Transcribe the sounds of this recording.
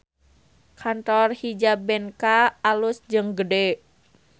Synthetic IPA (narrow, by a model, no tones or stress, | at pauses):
kʰant̪ɔrhid͡ʒabɛnkaːlusd͡ʒɨŋɡədɛ